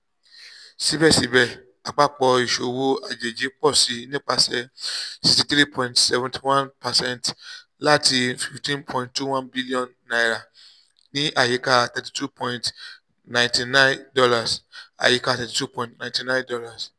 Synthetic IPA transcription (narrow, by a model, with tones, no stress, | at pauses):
si˨˦bɛ˦˨si˨˦bɛ˦˨ | a˨k͡pa˦k͡pɔ˧i˨ʃo˨wo˦a˨d͡ʒe˨d͡ʒe˨˦k͡pɔ˦˨si˧˦nĩ˦k͡pa˧sɛ˧si˨sti˧tɾi˦˨pʰɔ̃˧ĩntsɛ˧vɛ̃nti̥˨wã˦npa˨sɛ̃˦nt | la˦ti˧fi˨ftĩ˦npʰɔ̃˧˨ĩnttːu˦˨wã˦nbi˦li˦ɔ̃˦˨nːa˨i˨ɾa˨ | nĩ˦ʔa˦˨je˨˦ka˦˧tɛ˧ti̥˨tu˦˨pʰɔ̃˧ĩnt | nã˨j̃nti˧nã˦dɔ˧la˨sa̰˨je˨˦ka˦˧tɛ˨ti˨tu˦pɔ̃˧ĩntnã˨ĩntĩ˧nã˦ndɔ˧˦la˦˨s